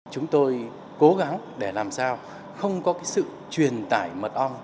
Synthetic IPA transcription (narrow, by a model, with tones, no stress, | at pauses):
t͡ɕʊ˨˦ŋ͡mt̪o˧j | ko˨˦ɣa˨˦ŋɗe˧˩laː˨˩msaː˧w | xə˧wŋ͡mkɔ˨˦kaː˨˦jsɨ̰˧˨ | t͡ɕwi˨˩ənt̪aː˧˩jmə˨˩t̚ʔɔ˧wŋ͡m